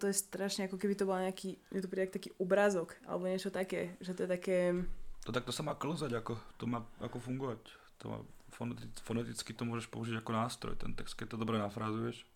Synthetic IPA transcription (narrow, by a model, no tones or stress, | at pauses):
t̪ɔjɛst̪ɾaʃɲɛakɔkɛbit̪ɔbɔlɲɛakiːɛt̪ɔpɾiːak̚t̪akiːʔɔbɾazɔkʔa̰lɛ̰bɔɲɛt͡ʃɔt̪akɛːʒɛt̪ɔjɛt̪akɛːt̪ɔt̪ak̚t̪ɔsamaːkl̩zaɟakɔt̪ɔmaːakɔfuŋɡɔʋac | t̪ɔ̰ma̰ːfɔnɛt̪ifɔnɛt̪it͡skit̪ɔmʊɔʒɛʃpɔuʒiɟakɔnaːst̪ɾɔ̰jt̪ɛ̰nt̪ɛkst̪̚kɛc̚t̪ɔd̪ɔbɾɛnafɾazujɛʃ